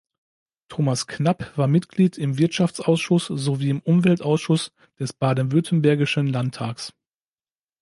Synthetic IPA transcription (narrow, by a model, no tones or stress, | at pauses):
tʰoːmasknapv̥aːɐmɪtɡ̥liːtʰɪmvɪɐtʃaft͡sʔaʊsʃʊsz̥oviːɪmʔʊmvɛltʔaʊsʃʊs | d̥ɛsb̥aːɐdn̩vʏɐtʰən̩bɛɐɡɪʃənlantʰːaːks